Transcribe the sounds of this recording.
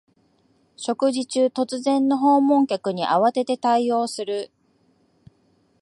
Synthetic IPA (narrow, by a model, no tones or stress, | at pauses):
ɕo̞kɯ̟ʑit͡ɕɨːt̪o̞t͡sɨzẽ̞nːo̞ɦo̞ːmõ̞ŋkʲakɯ̟ɲ̟iʔa̰βat̪e̞t̪e̞t̪aio̞ːsɨɾɯ̟